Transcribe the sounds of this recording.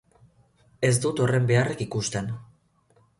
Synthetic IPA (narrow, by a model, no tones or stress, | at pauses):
e̞sd̪ut̪o̞re̞mbe̞arekikust̪e̞n